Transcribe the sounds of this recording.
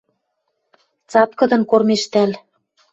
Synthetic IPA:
t͡sɑt̪kɤ̆d̪ɤ̆nkormeʃt̪æl

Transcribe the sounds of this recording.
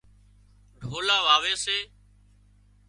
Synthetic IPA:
ɖʱoːlaːʋaːʋeːseː

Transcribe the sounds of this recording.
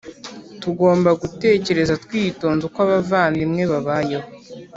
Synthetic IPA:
tuɡoːmbaɡute̞ːce̞ɾe̞zatkwiːto̞ːnzokwaβavaːndimŋe̞βaβajeɦo

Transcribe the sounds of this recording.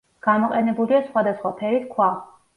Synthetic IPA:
ɡ̥amɔqʼɛnɛbuliasχwad̪asχwapʰɛɾiskʰwa

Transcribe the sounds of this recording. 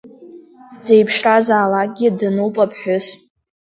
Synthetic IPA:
d͡zejpʰʂrazaːlak̚ɡʲidɨnuwpʼapʰħʊs

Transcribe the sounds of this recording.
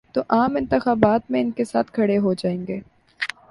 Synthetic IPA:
t̪oʔaːmɪ̃nt̪ɪxaːbaːt̪mẽɪnkesaːt̪ʰkʰɐɽeɦod͡ʒaːẽːŋɡeː

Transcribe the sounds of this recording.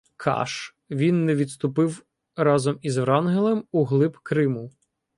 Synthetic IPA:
kʰɑ̰ʃ | ʋʲinːɛʋʲid̪st̪ʊpɪw | ɾɑzɔmizʋɾɑnɦelˠɛmuɦlˠɪpkɾɪmʊ

